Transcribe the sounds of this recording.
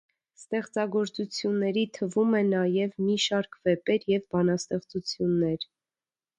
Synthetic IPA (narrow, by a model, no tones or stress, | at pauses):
st̪ɛχt͡sɑɡɔɾt͡sut͡sʰjunːɛɾit̪ʰəvumɛnɑjɛvmiʃɑɾkʰvɛpɛɾjɛvbɑnɑst̪ɛχt͡sut͡sʰjunːɛɾ